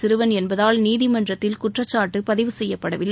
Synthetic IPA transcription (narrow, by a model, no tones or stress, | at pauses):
sɪɾɯʋɐnɛnbɐðaːlniːðɪmɐndrɐt̪ːɪlkʊʈrɐt͡ʃːaːʈːɯpɐðɪʋɯsɛjːɐpːɐɽɐʋɪlːɐ